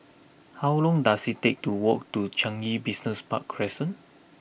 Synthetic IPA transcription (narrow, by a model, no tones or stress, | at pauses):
hawlɔ̃ŋdasittek̚tuwɔk̚tut͡ʃãŋibisnəspa̰kʰːɔɹɛsə̃n